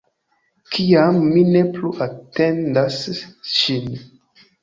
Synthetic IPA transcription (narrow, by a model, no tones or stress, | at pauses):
kʰiamːine̞pluʔate̞ndasʃin